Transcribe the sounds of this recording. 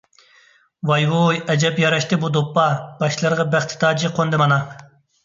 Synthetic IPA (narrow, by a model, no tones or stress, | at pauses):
wɑjwujɛd͡ʒɛpjɑɾɑʃt̪ɨbud̪opːɑb̥ɑʃlˠɨɾʁɑbæχt̪ʰɪ̥t̪ʰɑːd͡ʒiqʰond̪ɨmɑnɑ